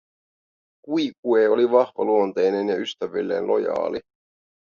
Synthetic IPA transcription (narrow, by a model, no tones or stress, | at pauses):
kujkueːo̞liʋɑhʋɑluo̞nt̪ejne̞njɑyst̪æʋilːe̞̰ːnlʔo̞̰jɑ̰ːli